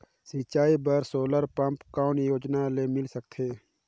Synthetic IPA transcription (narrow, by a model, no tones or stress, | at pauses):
sit͡ʃaːibəɾsoːləɾpə̃mpkɔːnjoːd͡ʒnalemɪlsək̚t̪ʰeː